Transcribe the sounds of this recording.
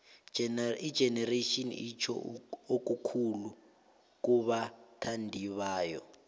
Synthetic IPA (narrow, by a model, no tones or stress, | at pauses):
idd͡ʒ̥ʱɛnɛraʃinḭit͡ʃʰɔ̰ok̬ʼukʰulu | k̬uβatʰandʱiβaːjɔ